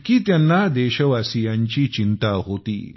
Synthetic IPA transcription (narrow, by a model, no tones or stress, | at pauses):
kiːt̪janːad̪ɛɕəʋasijãɲt͡ɕiːt͡ɕint̪aɦot̪ḭː